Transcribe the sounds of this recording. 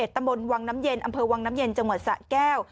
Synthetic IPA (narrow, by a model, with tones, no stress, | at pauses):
e˨˩t̪ːa˧mɓo˧nwaː˧ŋna˨˦˥mje˧nʔə˧mpʰɤː˧waː˧ŋnaː˨˦mje˧nt͡ɕə˧wŋwaː˨˩sa̰ː˧˥kɛː˧˩w